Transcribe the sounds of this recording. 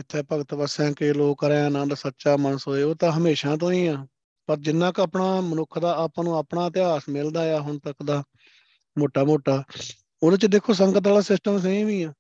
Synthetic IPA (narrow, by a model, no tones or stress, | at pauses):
ɪt̪ʰːɛːpəɡət̪bəsãːkɪloːəɾɛ̃ːãːnãːd̪aːsətːʃaːmənəsɦoːeːoːt̪ãːɦəmeːʃãːt̪̬õːĩːãː | pəɾd͡ʒɪnːãːkəːpɳaːmənʊkʰːd̪aːapãːnũːəpɳaːt̪ɪaːsmɪld̪aːjaːɦʊɳt̪əkd̪aː | moːʈaːmoːʈaː | oːd̪ːt͡ʃd̪eːkʰːoːs̬əŋɡət̪̬aːlaːsɪsʈəmsəĩːʋiːãː